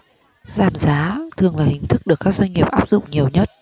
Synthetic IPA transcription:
zaː˧˩mzaː˨˦t̪ʰɨ˨˩əŋlaː˨˩hï˨˩ŋ̟t̪ʰɨ˦˥k̚ɗɨ˨˩əkːaː˦˥k̚zwa˧ŋ̟ŋi˨˩əp̚ʔaː˦˥p̚zʊ̰˧˨ŋ͡mɲi˨˩əwɲə˦˥t̚

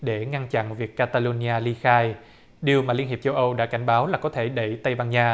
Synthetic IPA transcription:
ɗe˧˩ŋa˧nt͡ɕa̰˧˨nvi˨˩əkːaː˧t̪aː˧lo˧n˧aː˧li˧xaː˧j | ɗi˨˩əwmaː˨˩li˧ənɦi˨˩p̚t͡ɕə˧wʔə˧wɗa̰ː˧˥ka˧˩jŋ̟ɓaː˨˦wlaː˨˩kɔ˨˦t̪ʰe˧˩ɗə˧˩jt̪ə˧jɓaː˧nɲaː˧

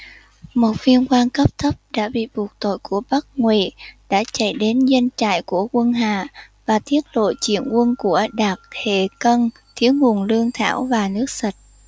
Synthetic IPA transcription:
mo˨˩t̚vi˧ənkwaː˧nkə˦˥p̚t̪ʰə˦˥p̚ɗa̰ː˧˥ɓḭ˧˨ɓu˨˩ək̚t̪o̰˧˨jku˧˩əɓə˦˥t̚ŋwḭ˧˨ɗa̰ː˧˥t͡ɕə̰˧˩jɗe˨˦nzə˧nt͡ɕa̰ː˧˨jku˧˩əkwə˧nɦaː˧˨ | vaː˨˩t̪i˦˥ət̚lo̰˧˨t͡ɕḭ˧˨ənkwə˧nku˧˩əɗaː˨˩t̚t̪ʰe˧˩kə˧n | t̪ʰi˨˦əwŋu˨˩ənlɨ˧əŋt̪ʰa̰ː˧˩wvaː˨˩nɨ˦˥ək̚sə˨˩t̚

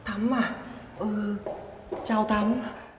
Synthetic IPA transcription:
t̪ʰa˨˦mːa˧˩ | ʔəː˨˩ | t͡ɕaː˧˩wt̪ʰa˨˦m˧

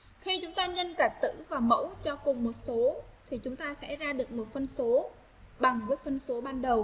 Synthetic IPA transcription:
xi˧t͡ɕʊ˨˦ŋ͡mt̪aː˧ɲə˧nkaː˧˩k̚t̪ɨ̰˧˥vaː˨˩mə̰˧˥wt͡ɕɔ˧kʊ˨˩ŋ͡mmo˨˩t̚so˨˦t̪ʰi˨˩t͡ɕʊ˨˦ŋ͡mt̪aː˧sɛ̰˧˥zaː˧ɗɨ˨˩ək̚mo˨˩t̚fə˧nso˨˦ | ɓa˨˩ŋvəː˨˦jfə˧nso˨˦ɓaː˧nɗə˨˩w

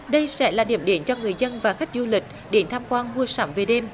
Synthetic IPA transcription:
ɗə˧jsɛ̰˧˥laː˨˩ɗḭ˧˩əmɗi˧˩˦nt͡ɕɔ˧ŋɨ˨˩əjzə˧nvaː˨˩xa˦˥jk̟̚zu˧lï˨˩k̟̚ | ɗe˨˧˦nt̪ʰaː˧mkwaː˧nmu˧əsaː˧˨˦mve˨˩ɗe˧m

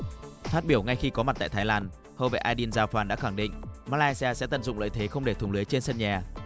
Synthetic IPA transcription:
fa˦˥t̚ɓi˧˩əwŋa˧jxi˧kɔ˨˦ma˨˩t̚t̪a̰ː˧˨jt̪ʰːlaː˧n | ho˧˩vḛ˧˨ʔaː˧ɗi˧ənzaː˧˩wfaː˨˩nɗa̰ː˧˥xa˧˩ŋɗḭ̈˧˨ŋmaː˧laː˧jsi˧aː˧sɛ̰˧˥t̪ə˧˩nzʊ̰˧˨ŋ͡mlə̰ː˧˨t̪ʰe˨˦xə˧wŋ͡mɗe˧˩t̪ʰʊ˨˩ŋ͡mlɨ˨˦əjt͡ɕe˧nsə˧nɲaː˨˩

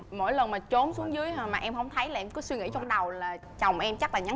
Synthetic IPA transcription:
mo̰˧˩jlə˨˩nmaː˨˩t͡ɕo˨˦nsu˨˦əŋzɨ˨˦əjmaː˨˩ʔɛ˧mhə˧wŋ͡mt̪ʰə˨˦jlaː˨˩ʔɛ˧mkɔ˨˦swi˧ŋḭ˧˨t͡ɕɔ˧wŋ͡mɗə˨˩wlaː˨˩ | t͡ɕə˨˩wŋ͡mʔɛ˧mt͡ɕa˦˥k̚laː˨˩ɲa˨˦

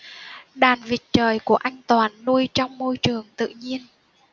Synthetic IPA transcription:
ɗaː˨˩nvi˨˩ət̚t͡ɕəː˨˩jku˧˩əʔa˧jŋ̟t̪waː˨˩nːu˧əjt͡ɕɔ˧wŋ͡mmo˧jt͡ɕɨ˨˩əŋt̪ɨ̰˧˨ɲi˧ən

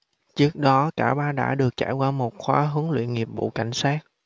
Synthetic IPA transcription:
t͡ɕɨ˦˥ək̚ɗɔ˨˦kaː˧˩ɓaː˧ɗa̰ː˧˥ɗɨ˨˩ək̚t͡ɕaː˧˩jkwaː˧mo˨˩t̚xwaː˧ɦɨ˨˦əŋlwḭ˧˨ənŋi˨˩p̚ɓṵ˧˨ka˧˩jŋ̟saː˦˥k̚

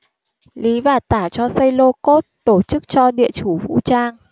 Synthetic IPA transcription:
li˨˦vaː˨˩t̪aː˧˩t͡ɕɔ˧sə˧jlo˧ko˦˥t̚t̪o˧˩t͡ɕɨ˦˥k̚t͡ɕɔ˧ɗḭ˧˨ət͡ɕu˧˩vṵ˧˥t͡ɕaː˧ŋ

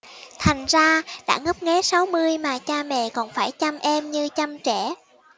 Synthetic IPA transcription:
t̪ʰa˨˩jŋ̟zaː˧ɗa̰ː˧˥ŋə˦˥p̚ŋɛ˨˦sa˨˦wmɨ˧əjmaː˨˩t͡ɕaː˧mɛ̰˧˨kɔ˨˩nfaː˧˩jt͡ɕa˧mʔɛ˧mɲɨ˧t͡ɕa˧mt͡ɕɛ˧˩

